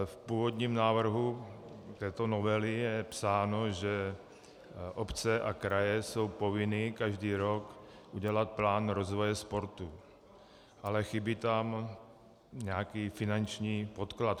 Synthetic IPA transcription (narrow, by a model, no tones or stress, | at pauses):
fpuːvod̪ɲiːmnaːvr̩ɦut̪ɛːt̪onovɛlɪjɛpsaːnoʒɛ | ʔopt͡sɛʔakɾajɛso̞wpovɪnɪkaʒdiːɾok | ʔuɟɛlat̪̚plaːnɾozvojɛspoɾt̪u | ʔalɛxibit̪am | ɲɛakiːfɪnant͡ʃɲiːpot̪klat̪